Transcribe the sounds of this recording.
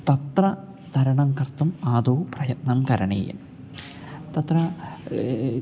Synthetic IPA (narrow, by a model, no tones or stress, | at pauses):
t̪ɐt̪rɐ | t̪ɐɾɐɳɐmkɐrt̪ːumaːd̪oːprɐjɐt̪̚nɐmkɐɾɐɳḛːjɐ̰m | t̪ɐt̪rɐ